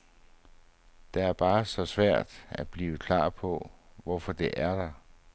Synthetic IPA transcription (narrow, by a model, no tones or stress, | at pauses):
d̥ɑ̈æɐb̥ɑ̈ːsɒ̽sʋæɐ̰d̥æ̥b̥liːʋəkʰlɑ̰̈ːpʰɒ̽ʋɒfɒd̥e̝ʔæɐd̥ɑ